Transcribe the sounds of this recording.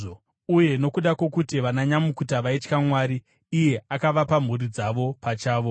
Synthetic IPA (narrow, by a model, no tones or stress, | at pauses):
o | uje̞no̞kuɗakwo̞kutiʋanaɲamukutaʋait͡ʃkamwaːɾiː | je̞akaʋapam̤urid͡zaʋo̞pat͡ʃaːʋo̞